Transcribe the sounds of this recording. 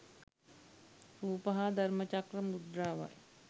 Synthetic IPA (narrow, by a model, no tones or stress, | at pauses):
ɾuːpɐɦad̪ʱɐɾmət͡ʃakɾɐmud̪ɾaːʋa̰j